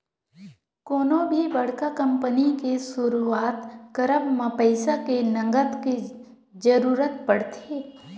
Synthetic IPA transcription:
koːnobʱibɐɽ̤kakɐ̃mpənikesʊɾuaːt̪kəɾəbmãpəɪsakelɐ̃ŋɡət̪ki | d͡ʒəɾuːɾət̪̚pəɽ̤t̪ʰeː

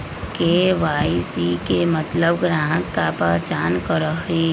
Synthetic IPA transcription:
keʋaːisikemət̪ləbɡɾaːɦəkːapaːt͡ʃaːnkəɾəɦi

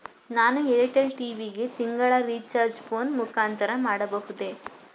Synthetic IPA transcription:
naːnueliʈɐlʈiːʋiɡe̞t̪iŋɡɐɭɐɾiːt͡ʃaːɾd͡ʒpʰoːnmukʰaːnt̪ɐɾɐmaːɽɐbɐɦud̪e

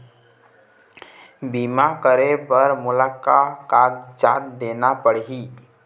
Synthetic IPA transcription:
bimakəɾepəɾmʊlakakat̪̚d͡ʒat̪d̪enapəɽɦi

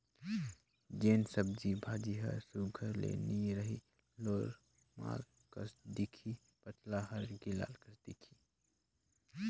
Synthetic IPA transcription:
d͡ʒeːnsəb̚d͡ʒibʱaːd͡ʒiɦə̰ɾsuɡʱəɾlḛniɾəɦḭ | loːɾ | ma̰ːɾ | kəsd̪ikʰi | pəʈʰlaɦəɾɡila̰ːlkəsd̪̥ikʰi

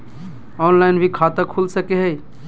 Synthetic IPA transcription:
ɔnlajnbʱikʰat̪əkʰulsəkeɦəj

